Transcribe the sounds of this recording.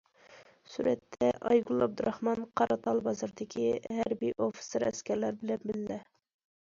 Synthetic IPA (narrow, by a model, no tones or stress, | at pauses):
suɾʔɛt̪ʰːɛʔɑ̰jɡulˠɑb̚d̪uɾʔɑhmɑnqʰɑɾɑt̪ʰɑlˠbɑzɨɾd̪ɪkʲʰihæɾbijʔofi̥seɾɛ̰skʲæɾlæɾbɪlɛnbɪlːɛ